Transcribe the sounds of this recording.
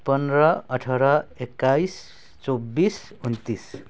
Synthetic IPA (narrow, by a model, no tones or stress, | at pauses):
pʌnrʌʌʈʰʌɾʌekːajs | t͡sobis | unt̪is